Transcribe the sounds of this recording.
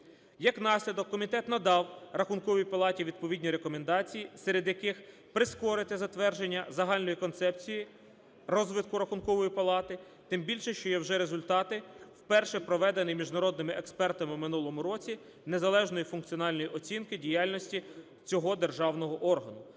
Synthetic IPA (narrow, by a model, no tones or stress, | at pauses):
jɐknɑsʲlʲɐd̪ɔkːɔmʲit̪ɛt̪nɐd̪ɑwɾɐxʊnkɔʋʲijpɐlˠɑtʲiʋʲid̪̚pɔʋʲidʲnʲiɾekɔmend̪ɑt͡sʲijiseɾed̪jɐkɪx | pɾɪskɔɾɪt̪ɪzɐt̪ʋɛrd͡ʒenʲːɐzɐɦɑlʲnɔjikɔnt̪sɛpt͡sʲiji | rɔzʋɪt̪̚kʊɾɐxʊnkɔʋɔjipɐlˠɑt̪ɪ | t̪ɪmbʲilʲʃɛʃt͡ʃɔjɛwʒɛɾezʊlʲt̪ɑt̪ɪwpɛrʃɛpɾɔʋɛd̪enɪjmʲiʒnɐɾɔd̪nɪmɪʔekspɛrt̪ɐmɪwmɪnulˠɔmʊɾɔt͡sʲi | ne̞zɐlˠɛʒnɔjifʊnk̚t͡sʲiɔnɑlʲnɔjiʔɔt͡sʲinkɪdʲijɑlʲnɔsʲtʲi | t͡sʲɔɦɔd̪erʒɑwnɔɦɔʔɔrɦɐnʊ